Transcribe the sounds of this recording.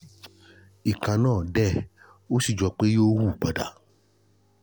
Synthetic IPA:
i˨kã˧nãː˦˨dɛ˦˨ | o˦si˦˨d͡ʒɔ˧k͡pe˦jo˦wu˦˨k͡pa˨da̰˨˦

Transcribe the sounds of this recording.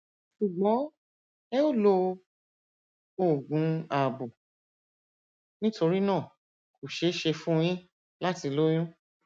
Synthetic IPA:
ʃu˨ɡ͡bɔ˨˦ | ɛ˦o˦˨lo˧ | o˦˨ɡũ˨˦a˦˨bo˨ | nĩ˦to˧ɾi˦nãː˦˨ | ku˨ʃe˨˦ʃe˧fũ˦˧j̃ĩ˦ | la˦ti˧lo˦j̃ũ˦

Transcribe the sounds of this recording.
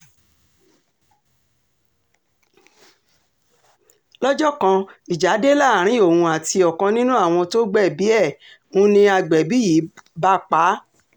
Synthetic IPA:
lɔ˦d͡ʒɔ˦˨kã˧i˨d͡ʒa˨˦de˦la˦˨ɾ̃ĩ˨˦o˦˨wũ˧a˨ti˧ɔ˨kã˧nĩ˦nũ˦a˦˨w̃ɔ̃˧to˦ɡ͡bɛ˦˨bi˨˦ɛ˦˨ | ũ˦nĩ˧a˧ɡ͡bɛ˨bi˨˦ji˨˦ba˦k͡pa˨˦

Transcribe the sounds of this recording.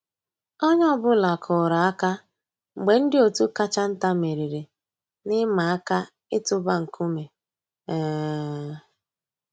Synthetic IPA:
ɔ˦ɲ˦ɔ˦bʊ˦la˨kʰʊ˨ɾa˨a˦ka˦ | ŋ͡m̩˨ɡ͡be˨n̩˦dɪ˦o˨tu˦ka˦t͡ʃa˦n̩˦ta˦me˨ɾi˨ɾe˨ | nɪ˦ma˨a˦ka˦ | ɪ˦tʊ˦ba˦ŋ̩˨ku˦me˨ | ɛː˨˦

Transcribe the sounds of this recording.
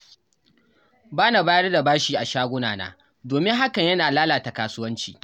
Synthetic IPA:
baː˦na˨baː˦jɐ˦rda˨baː˦ʃiː˦˨ʔa˨ʃaː˦ɡʷʊ˦naː˨na̰ː˦ | doː˨mɪ˦ŋɦa˦kɐ˨ɲjɐ˦naː˨laː˦laː˨ta˨kaː˦˨sʊ˦wɐ˦nt͡ʃḭː˨

